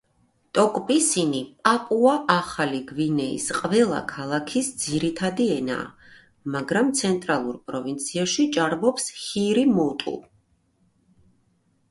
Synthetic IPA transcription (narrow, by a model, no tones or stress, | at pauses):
t̪ʼɔkʼpʼisinipʼapʼuaʔaχaliɡvinɛḭsqʼvɛlˠa̰kʰalˠakʰisd̪z̥iɾit̪ʰad̪iɛna̰ː | maɡɾamt̪sʰɛnt̪ʼɾalˠuɾpʼɾɔvint̪sʰiaʃit͡ʃʼaɾbɔpsχiɾimɔt̪ʼṵ